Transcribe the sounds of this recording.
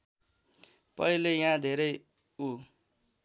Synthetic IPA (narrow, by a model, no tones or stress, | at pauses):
pʌ̰ilejãd̪ʱeɾʌj | u